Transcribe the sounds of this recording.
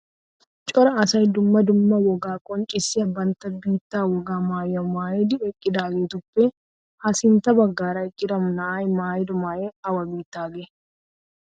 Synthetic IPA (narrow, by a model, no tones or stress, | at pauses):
t͡ʃʼɔɾɐɐsɐjd̪ʊmːɐd̪ʊmːɐwɔɡaːkʼɔnt͡ʃʼɪsːɪɐbːɐnt̪ɐbiːt̪ːaːwɔɡaːmaːjːɐmaːjɪd̪ɪɛkʼːɪd̪aːɡeːt̪ʊpːe | hɐsɪnt̪ɐbɐɡːaːɾɐɪkʼːɪd̪ɐmnɐajmaːjɪd̪ʊmaːjeɐwɐbiːt̪ːaːɡɛ